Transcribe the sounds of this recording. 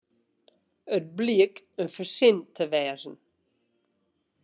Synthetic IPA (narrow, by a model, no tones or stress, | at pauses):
ət̚bliəkənfəsɪnt̪ʰːəvɛːzn̩